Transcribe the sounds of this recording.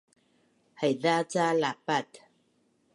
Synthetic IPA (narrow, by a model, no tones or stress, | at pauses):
hajðat͡salapat̪